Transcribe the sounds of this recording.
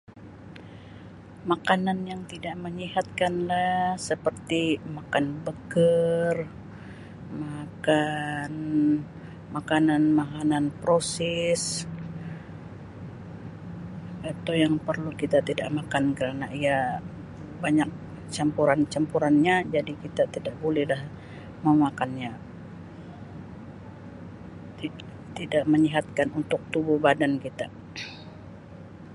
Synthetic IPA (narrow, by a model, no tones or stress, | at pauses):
makananjaŋt̪idaʔməɲihat̪̚kanlasəpərt̪imakanbəkər | makan | makananmakananpɾosɛs | it̪ujaŋpərlukit̪at̪idaʔmakankəɾanaia | baɲak̚ | t͡ʃampuɾant͡ʃampuɾanɲad͡ʒadikit̪at̪idaʔbolɛhlah | məmakanɲa | i | t̪idaʔməɲiɦat̪̚kanunt̪ʊk̚t̪ubʊhbadankit̪a